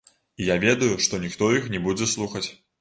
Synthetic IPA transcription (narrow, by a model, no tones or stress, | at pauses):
ijavʲɛd̪ujuʂt̪ɔnʲixt̪ɔjixnʲɛbud͡zʲɛslˠuxɐt͡sʲ